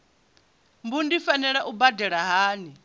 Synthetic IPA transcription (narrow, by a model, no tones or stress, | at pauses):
mbundifanɛɺaʔubadɛɺaɦaːni